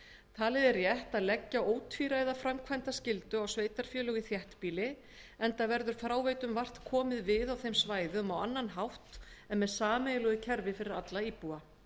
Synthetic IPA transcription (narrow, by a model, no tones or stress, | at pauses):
t̪ʰaːlɪðɛɾjɛɛht̪aðlɛcːaoːwt̪ʰfiɾajðafɾamkʰvajnt̪ascɪlt̪ʏawsveːjt̪aɾ̥fjœːlœɣɪθjɛht̪piːlɪ | ɛnt̪avɛɾðʏɾ̥fɾaːwveːjt̪ʏmvar̥t̪kʰɔːmɪðvɪðawθejmsvaːjðʏmawanːanɦawht̪ɛnmɛðsaːmejlʏɣʏcʰɛɾvɪfɪɾɪɾat̪laipua